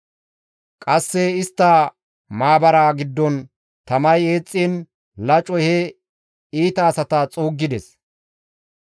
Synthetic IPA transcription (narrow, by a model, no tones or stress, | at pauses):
kʼɐsːɛɪst̪ːɐ | maːbɐɾaːɡɪd̪ːɔn | t̪ɐmɐje̞ːt͡sʼːiːn | lɐt͡ʃʼɔhɛ | iːt̪ɐːsɐt̪ɐt͡sʼuːɡːɪd̪ɛs